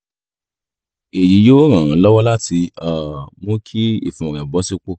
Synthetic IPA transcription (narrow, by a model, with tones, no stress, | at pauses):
e˨ji˨˦jo˦ɾ̃ã˨ã˨˦lɔ˦wɔ˦la˦ti˧a˨mo˧˦kʰi˦ḭ˦˨fũ˨ɔ˨ɾɛ̃˨bɔ˨˦si˦k͡po˦˨